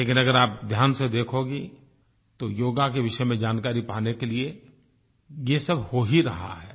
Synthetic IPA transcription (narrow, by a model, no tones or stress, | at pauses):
leːkɪnɐɡəɾaːp̚d̪ʱjaːnsed̪eːkʰoːɡi | t̪ojoːɡakeʋɪʃəmẽd͡ʒaːnkaːɾipaːnekelie | jesɐbhoɦiɾɐ̰ɦa̰ɦɛː